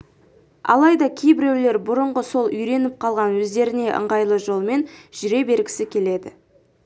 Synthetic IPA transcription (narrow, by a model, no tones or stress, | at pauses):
ɑ̰lˠɑjd̪ɑkʲʰe̞jbɪɾewle̞ɾbʊɾəɴʁəso̞lˠʏjɾe̞nɪp̚qʰɑlˠʁɑnwɵzd̪e̞ɾɪne̞ʔə̰ɴʁɑjlˠəʒo̞lˠme̞nʒ̥ʏɾe̞be̞ɾɡʲɪ̥sɪkʲʰe̞le̞d̪ɪ̰